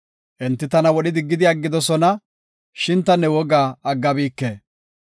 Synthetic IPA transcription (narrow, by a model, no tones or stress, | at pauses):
ʔɛnt̪ːɪt̪ɐnɐwɔɗɪd̪ɪɡːɪd̪ɪɐɡːɪd̪ɔsɔnɐ | ʃɪnt̪ːɐnːɛwɔɡaːɡːɐbiːkːeː